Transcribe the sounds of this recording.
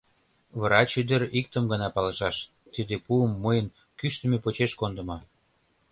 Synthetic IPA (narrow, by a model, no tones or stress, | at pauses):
βəɾɑt͡ɕyd̪eɾik̚t̪əmɡənɑpɑlə̆ʃɑʃ | t̪id̪epuəmːəjən | kyʃt̪ə̆mepot͡ɕeʃkond̪ə̆mɑ